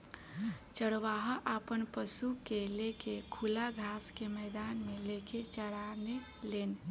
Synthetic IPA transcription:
t͡ʃəɽʋaːɦaʔaːpənpəsukelekekʰulaɡʱaːskemɛːd̪aːnmẽleːket͡ʃəɾane | leːn

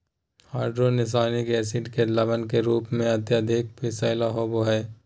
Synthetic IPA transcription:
haːɾɖɾonɪs̬aːnikɛːsɪʈkelɐʋənkeɾuːpmẽɐt̪jəd̪ʱɪk̚pʰɪsaːɪlaɦoboɦɛː

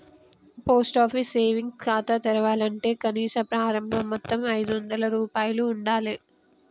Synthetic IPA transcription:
poːsʈaːpisːeːʋiŋkaːt̪ɐt̪ɛɾɐʋaːlɐɳʈe̞ːkɐniːsɐpɾaːɾɐmbʱɐmːɔt̪ːɐmɐjd̪uʋɐnd̪ɐlɐɾuːpaːjɐluːɳɖaːli

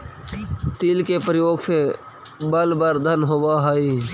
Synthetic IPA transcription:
t̪iːlkepɾjoːɡse | bəlbəɾd̪ʱənɦoːbaːɦaːiː

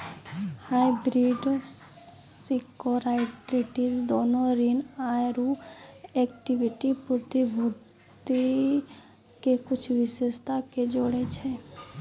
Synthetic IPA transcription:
haːibɾiɖ | sikoɾaɪʈɾiʈisd̪oːnoɾinajɾuekʈiʋiʈiput̪ibʱud̪ | i | kekʊt͡ʃʰʋɪʃest̪aked͡ʒoːɽet͡ʃʰe

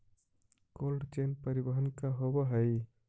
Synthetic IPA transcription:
kolɖt͡ʃenpəɾibəɦənkaɦobəɦəj

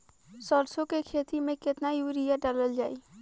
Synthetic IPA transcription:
səɾsõkekʰet̪imẽkɪt̪najuɾijaɖələld͡ʒaːi

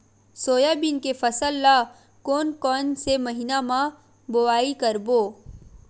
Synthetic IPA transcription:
soːjabɪnkefɐsəlːa | koːnkɔːnsemɐɦiːnamã | boʋaːikɐɾboː

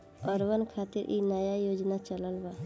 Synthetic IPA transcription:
ɔɾwənkʰaːt̪ɪɾʔḭnəjajoːd͡ʒnat͡ʃələlbaː

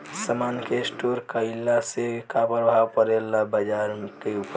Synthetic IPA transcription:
səmankesʈoɾkəɪlasekapəɾbʱawpəɾelabəd͡ʒaɾkeup

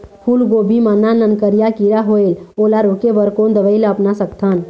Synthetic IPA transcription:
pʰulɡobʱimanalənkəɾijakiɾaɦoeloːlaɾokebəɾkond̪əʋəɪləpnasəkt̪ʰan

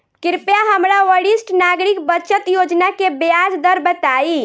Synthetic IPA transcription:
kiɾpjaɦəmɾaʋəɽisʈnaɡɾikbət͡ʃət̪jod͡ʒnakebead͡ʒd̪əɾbət̪ai

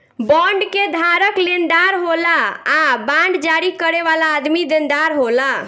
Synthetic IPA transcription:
bɔɳɖked̪ʱaɾəklend̪aɾɦolaːbaɳɖd͡ʒaɾikəɾeʋalaːd̪mid̪end̪aɾɦola

